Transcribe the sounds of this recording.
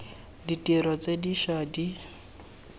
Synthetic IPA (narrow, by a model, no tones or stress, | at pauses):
ditʼiɾɔt͡sediʃadi